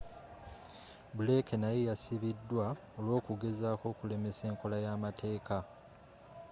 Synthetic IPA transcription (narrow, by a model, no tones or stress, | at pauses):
bule̞kenajejasiβidːwa | o̞lwo̞ːkuɡe̞zaːko̞ːkule̞me̞se̞ːŋko̞lajaːmatʰe̞ːka